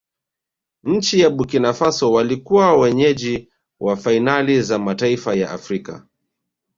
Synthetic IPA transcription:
ɲ̩t͡ʃijaɓukinafasɔwalikuwawɛɲɛʄi | wʔafainalizamataifaja̰ʔa̰fɾika̰

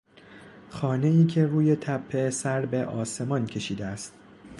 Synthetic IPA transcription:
xɒːne̞iːcʰe̞ruːje̞t̪ʰæpʰːe̞sæɾbe̞ʔɒːse̞mɒncʰe̞ʃiːd̪eæst̪

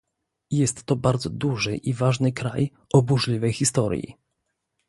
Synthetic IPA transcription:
jɛst̪ːɔbaɾd̪zɔd̪uʐɘʔivaʐnɘkɾa̰j | ɔbuʐlʲivɛjxist̪ɔɾjḭ

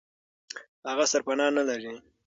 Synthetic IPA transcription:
haɣasaɾpanɑnalaɾi

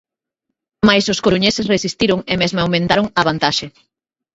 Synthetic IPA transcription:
majsʊskoɾuɲesɪsresist̪iɾoŋemezmaawmẽnt̪aɾoŋaβant̪aʃe

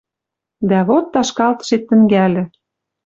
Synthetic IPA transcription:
d̪æβot̪ːɑʃkɑlt̪ɤ̥̆ʃet̪ːɘ̆ŋɡælʲɘ̆

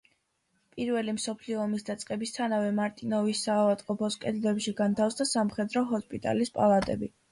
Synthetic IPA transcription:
pʼiɾvɛlimsɔpʰliɔːmisd̪at̪sʼqʼɛbist̪ʰanavɛmaɾt̪ʼinɔvisːavat̪ʼqʼɔpʰɔskʼɛd̪lɛpʃiɡant̪ʰafsd̪asamχɛd̪ɾɔɦɔspʼit̪ʼa̰lispʼalˠat̪ʼɛbi

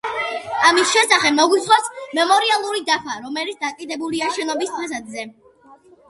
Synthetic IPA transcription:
amisʃɛsaχɛbmɔɡwisχwasmɛmɔɾialˠuɾid̪apʰaɾɔmɛlit̪sd̪akʼid̪ɛbuliaʃɛnɔbist̪ʰʼɛs̬ad̪zɛ

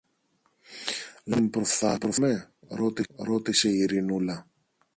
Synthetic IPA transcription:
limpɾofθɐ̰pɾome | ɾo̞t̪iɾo̞t̪ise̞iɾinulɐ

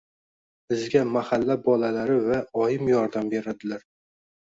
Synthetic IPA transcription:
b̥ɪzɡʲamahalːabɒlalaɾɪvaɒjɪmjɒɾd̪ambe̞ɾad̪ɪlaɾ

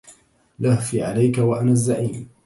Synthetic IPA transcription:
lahfiːʕalajkawaʔanaːzːaʕiːn

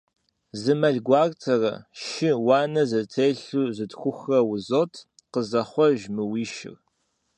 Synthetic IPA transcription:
zɨmɐɮɡʷɑːrtʰɐrɐ̰ʃɪwɑːnɐzɐtʰeːɬuːzɨtxʷʊxrɐwʊzoːtʰ | qəzɐχʷɔʒmɨwiːʃɪ̰r

